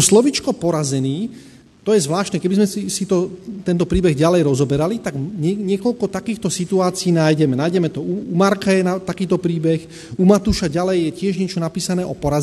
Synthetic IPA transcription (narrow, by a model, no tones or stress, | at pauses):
ɔslɔʋit͡ʃkɔpɔɾazɛniː | t̪ɔjɛzʋlaːʃt̪nɛkɛbizmɛisit̪ɔt̪ɛnt̪ɔpɾiːbɛɣɟalɛjɾɔzɔbɛɾalit̪aɡɲɛɲɪɛkɔʎkɔt̪akiːxt̪ɔsit̪uaːt͡siiːnajɟɛmɛnajɟɛmɛt̪ɔuumaɾkajɛnat̪akiːt̪ɔpɾiːbɛx | umat̪uːʃaɟalɛjːɛcɪɛʒɲɪɛt͡ʃɔnapiːsanɛːʔɔpɔɾaz